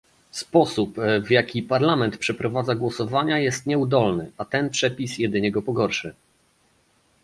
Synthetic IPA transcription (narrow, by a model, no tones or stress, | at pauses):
spɔsupvjakʲipaɾlamɛnt̪pʂɛpɾɔvad̪zaɡwɔsɔvaɲajɛst̪ɲɛud̪ɔlnɘʔat̪ɛnpʂɛpʲisjɛd̪ɘɲɛɡɔpɔɡɔɾʂɘ